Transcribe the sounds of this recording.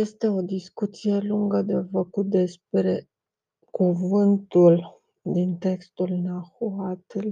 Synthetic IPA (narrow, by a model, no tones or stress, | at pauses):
je̞st̪e̞o̞d̪iskut̪sije̞luŋɡəd̪e̞fəkut̪̚d̪e̞spɾe̞ | kuvɨnt̪ul | d̪int̪e̞kst̪ulnaxuat̪l